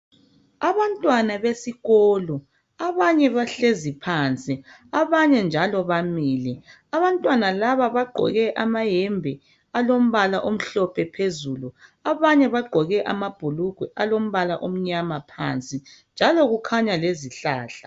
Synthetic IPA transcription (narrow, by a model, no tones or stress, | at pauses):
aβantʼwanaβesiɣɔːlɔ | aβaɲɛβaɬezipʰant͡sʼi | aβaɲɛnd͡ʒʱalɔβamiːlɛ | aβantʼwanalaβaβaɡ͡ǃʱɔ̰ɣɛʔamajɛmbʱɛ | alom̩βalaʔom̩ɬɔpʰɛpʰezuluaβaɲɛβaɡ͡ǃʱɔɣɛʔa̰mab̥ʱuluɡ̥ʱwɛʔalom̩βalaʔom̩ɲamapʰa̰nt͡sʼind͡ʒʱaloɣukʰaɲaleziɬaːɬa̰